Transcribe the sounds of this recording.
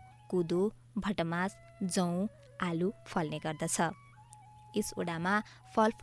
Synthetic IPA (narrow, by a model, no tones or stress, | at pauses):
kud̪o | bʱʌʈʌmas | d͡zʌw̃ | alupʰʌlneɡʌrd̪ʌt͡sʰʌ | eso̰ɽama | pʰʌlpʰ